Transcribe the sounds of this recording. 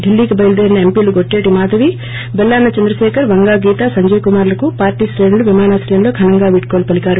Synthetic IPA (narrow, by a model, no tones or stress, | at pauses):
ɖilːiːkibɐjlɐd̪eːɾinɐempiːluɡoʈːeːʈimaːd̪ʱɐʋi | bɛlːaːnːɐt͡ʃɐnd̪ɾɐʃɛːkʰɐɾʋɐŋɡaːɡiːt̪asɐɲd͡ʒɐjkumaːɾlɐkupaːɾʈiːsɾeːnuluʋimaːnaːslɐjɐmlo̞ːɡʱɐnɐŋɡaːʋiʈkoːlpɐlikaːɾu